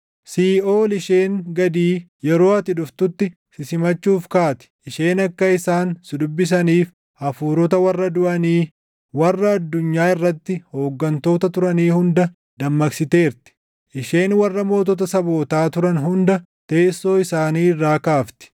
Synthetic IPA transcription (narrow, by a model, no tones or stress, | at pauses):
siːoːlɪʃe̞ːŋɡɐd̪iːjɛɾo̞ːɐt̪ɪᶑʊft̪ʊt̪ːɪ | sɪsɪmɐt͡ʃːuːfkaːt̪ɪ̥ɪʃe̞ːnɐkːɐɪsaːnsʊd̪ʊbːɪs̬ɐniːf | ʔɐfuːɾɔt̪ɐwɐrːɐd̪ʊʔɐniː | wɐrːɐːd̪ːʊɲːaːɪrːɐt̪ːɪhoːɡːɐnt̪o̞ːt̪ɐt̪ʊɾɐniːhʊnd̪ɐ | d̪ɐmːɐksɪt̪e̞ːɾt̪ɪ̥ | ʔɪʃe̞ːnwɐrːɐmo̞ːt̪ɔt̪̬ɐsɐbo̞ːt̪aːt̪ʊɾɐnɦʊnd̪ɐ | t̪e̞ːsːo̞ːɪsaːniːrːaːkaːft̪ɪ̥